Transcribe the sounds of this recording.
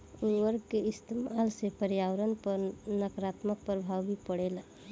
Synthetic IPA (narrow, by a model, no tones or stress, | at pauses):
uwəɾɡkeɪst̪ʰemalsepəɾjaʋəɾənpəɾnəkɾat̪mək̚pəɾbʱawbipəɽel